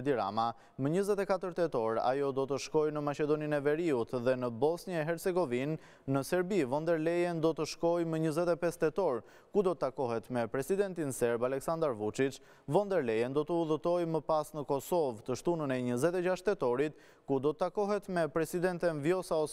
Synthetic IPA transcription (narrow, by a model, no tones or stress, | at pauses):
d̪iɾa̰ma | məɲəzɛt̪ɛkat̪əɾt̪ɛt̪ɔɾa̰jɔd̪ɔt̪əʃkɔjnəmat͡ʃɛd̪ɔninɛvɛɾiut̪ðɛnəbɔsnjaɛɦɛɾt͡sɛɡɔvinː | əsɛɾbivɔnd̪ɛɾlɛjɛnd̪ɔt̪əʃkɔjməɲəzɛt̪ɛpɛst̪ɛt̪ɔɾ | kud̪ɔt̪ət̪ːakɔhɛt̪mɛpɾɛsid̪ɛnt̪insɛɾbalɛksand̪aɾvut͡ʃit͡ʃ | vɔnd̪ɛɾlɛjɛnd̪ɔt̪əuðət̪ɔjməpasnəkɔsɔvt̪əʃt̪unənɛɲəzɛt̪ɛd͡ʑaʃt̪ɛt̪ɔɾit̪̚ | kud̪ɔt̪ət̪akɔɦɛt̪mɛpɾɛsid̪ɛnt̪ɛnvjɔsaɔ